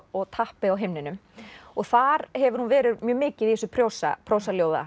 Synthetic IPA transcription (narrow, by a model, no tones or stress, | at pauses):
ɔɣt̪ʰahpɪawɦejmnɪnʏmɔɣθaɾhɛvʏɾhunvɛːɾɪðmjœːmɪːcɪðiɛsʏpʰɾjoːwsa̰pʰɾoːwsaljoːwða̰